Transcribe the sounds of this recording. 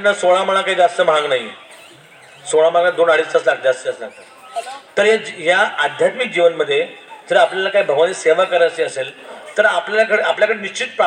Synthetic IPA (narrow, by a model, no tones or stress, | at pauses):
nːasoɭ̃am̤əɭ̃akaɦid͡zast̪əm̤əɭ̃ə̃ŋɡnaɦi | soɭam̤əɭaɡad̪onaɽiːst̪ət͡slak̚ʰd͡zast̪əəsə | t̪əɾɦjaɦjaad̪ʱjat̪mik̚d͡ʑiʋənməd̪ʱːjet̪əɾəapljalakaibʱəɡʋaniseʋakəɾat͡ɕeːəselt̪əɾapljalakəɽeapljakəɽeniɕt͡ɕʰit̪̚pɾa